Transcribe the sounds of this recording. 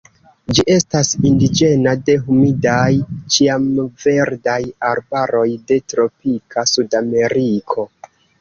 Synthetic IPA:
d͡ʒiʔe̞stasindid͡ʒe̞nade̞ɦumidajt͡ʃiamve̞ɾdajaɾbaɾo̞jde̞tɾo̞pikʰasudame̞ɾikʰo̞

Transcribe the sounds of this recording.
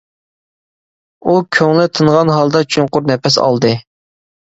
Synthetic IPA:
ukʲʰøŋlɪt̪ʰɨɴʁɑnɦɑlˠd̪ɑt͡ʃʰyŋqʊɾnɛpɛsɑ̰lˠd̪ɨ

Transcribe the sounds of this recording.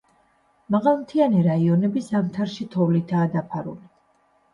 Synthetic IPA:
maʁalˠmt̪ʰianiɾaiɔnɛbizamt̪ʰaɾʃit̪ʰɔvlit̪ʰaːd̪apʰaɾṵli

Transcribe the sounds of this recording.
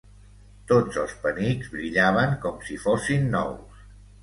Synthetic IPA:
t̪od͡zəlˠspənizβɾiʎaβ̞əŋkɔmsifosinːɔ̰ws

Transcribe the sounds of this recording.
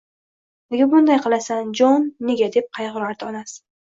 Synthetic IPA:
lɪɡʲabʊnd̪ajqʰɨlˠasand͡ʒɒnːe̞ɡʲad̪e̞p̚qʰɑjʁʊɾaɾd̪ɪɒnas

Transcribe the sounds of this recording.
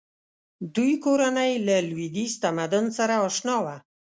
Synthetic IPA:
d̪ujkoɾanajlalwid̪ist̪amad̪ʊnsaɾaɑʃnɑwa

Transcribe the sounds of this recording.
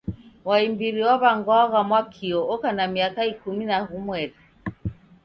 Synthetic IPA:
waimbiɾiwaβaŋɡwɔaɣamwakʰiɔɔkanamiakaikuminahumwɛɾi

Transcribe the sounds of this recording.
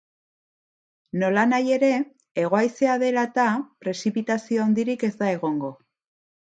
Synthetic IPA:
no̞lanaje̞ɾe̞ | eɣ̞o̞ajse̞aðe̞lat̪apɾe̞sipit̪asio̞awnd̪iɾike̞zd̪ae̞ɣ̞o̞ŋɡo̞

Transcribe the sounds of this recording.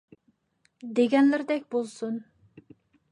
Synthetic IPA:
d̪eɡʲɛnlɪɾd̪ɛkʲbolˠsun

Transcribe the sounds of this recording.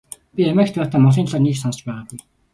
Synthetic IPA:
pʲiæmæːkt̪ʰɔːt̪aːmɔɮiːnɮaːrniːksɔnsə̆t͡ɕpæːʁaːɡuj

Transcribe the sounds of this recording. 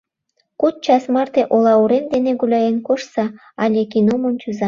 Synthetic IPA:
kut̪̚t͡ɕɑsmɑrt̪eʔolɑuɾend̪eneɡulʲɑjenkoʃsɑ | ɑlʲekinomont͡ɕuzɑ

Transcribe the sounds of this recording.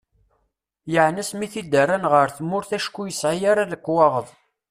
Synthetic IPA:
jəʕnæsmiθid̪ərːanʁəɾθmːʊɾθæʃkːujəsʕijaɾaðəkʷːwɑʁəðˤ

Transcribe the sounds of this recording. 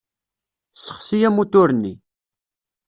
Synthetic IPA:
sə̥χsijæmut̪ʊɾnːi

